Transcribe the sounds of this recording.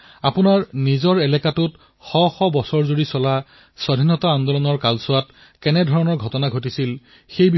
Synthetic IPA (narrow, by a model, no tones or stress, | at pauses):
apʊnaɹnizɔɹɛlɛkatut | xɔxɔbɔsɔɹzoɹisɔla | sɔdʱinɔtaːnd̪ɔlɔnɔɹkalsʊwat | kɛnɛdʱɔɹɔnɔɹɡʱɔtɔnaɡʱotisil | xejbi